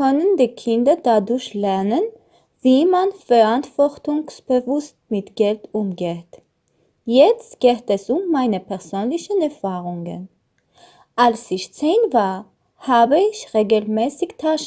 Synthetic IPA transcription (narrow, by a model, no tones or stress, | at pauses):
kœnəndiːkʰɪndɐdadʊɐçlɛɐnən | viːmanfɛɐʔantv̥ɔʁtʊŋsb̥əvʊst̚mɪtɡ̥ɛltʔʊmɡeːt | jɛt͡stɡ̥eːtɛsʊmːaɪnəpʰɛʁzøːnlɪçənɛɐfaːʁʊŋə̰n | ʔalsɪçt͡seːnvaːɐ | haːbəɪçʁeːɡəl̩mɛːsɪçtʰaʃ